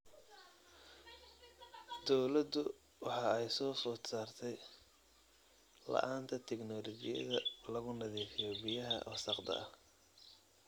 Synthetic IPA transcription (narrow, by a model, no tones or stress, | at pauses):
d̪ɔwlɐd̪ʊ | wɑħɑːɛjsɔːfʊːt̪saːrt̪ʰɛj | lɐ̰ʔaːnt̪ʰɐt̪ʰɛɡnɔːlɔd͡ʒɪjɐ̰ðɐlɐɣʊnɐðiːfɪjɔbɪjɐɦɐ̰ʔɔːsɑqd̪ɐ̰ɐ